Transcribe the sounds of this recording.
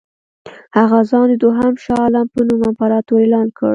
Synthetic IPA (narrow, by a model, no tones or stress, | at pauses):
haɣazɑnd̪əd̪oɦamʃɑlampənumamfaɾɑt̪oelɑnkʰə̰ɽ